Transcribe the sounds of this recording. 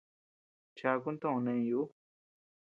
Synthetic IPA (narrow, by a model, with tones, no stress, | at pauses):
t͡ʃa˧ku˦nt̪õ˦˧nẽ˧ju˧˦